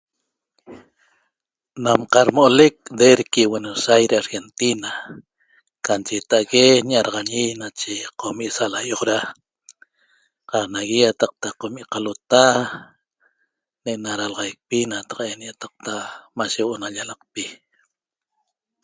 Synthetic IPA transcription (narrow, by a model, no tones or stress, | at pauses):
namqɑɾmoʔolek̚d̪eɾkiwenosajɾeaɾxent̪ina | kant͡ʃet̪aʔɣeɲaɾɑʁaɲinat͡ʃeqomiʔsalajoχɾa | qɑqnaɣijat̪aq̚t̪aqomiʔqalot̪a | neʔnaɾalʁɑjk̚pinat̪aqʔenjat̪aq̚t̪amaʃewoʔonaʎalaq̚pi